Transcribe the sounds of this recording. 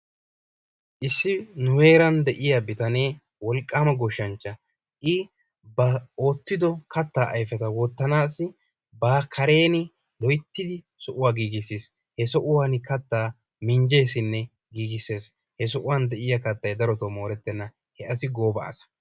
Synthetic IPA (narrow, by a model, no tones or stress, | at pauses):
ʔɪsːɪnʊwe̞ːɾɐnd̪ɛʔɪjɐbɪt̪ɐne̞ː | wɔlkʼːaːmɐɡɔʃːɐnt͡ʃːɐ | ʔɪ | bɐoːt̪ːɪd̪ɔkʰɐt̪ːaːʔɐjfɛt̪ɐwɔt̪ːɐnaːsɪ | baːkʰɐɾe̞ːnɪ | lɔjt̪ːɪd̪ɪ | sɔʔʊwaːɡiːɡɪseːs | hɛsɔʔʊwaːnkɐt̪ːaː | mɪɲd͡ʒe̞ːsɪnːɛ | ɡiːɡɪse̞ːs | hɛs̬ɔʔʊwand̪ɛʔɪjɐkɐt̪ːɐjd̪ɐɾɔt̪ɐmo̞ːɾɛt̪ːɛnːɐ | hɛʔɐsɪɡo̞ːbɐɐ̰sɐ̥